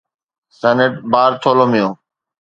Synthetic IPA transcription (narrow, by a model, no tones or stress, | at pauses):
sɛːneʈ̚baːɾt̪ʰoːloːmɪjõː